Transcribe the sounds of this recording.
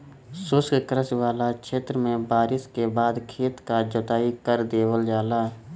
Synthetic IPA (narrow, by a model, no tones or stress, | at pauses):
sʊskkɾəswaːlakʃʰeːt̪ɾəmẽbaːɾɪskebaːd̪kʰeːt̪kad͡ʒɔt̪aːikəɾd̪eːwəld͡ʒaːlaːɦ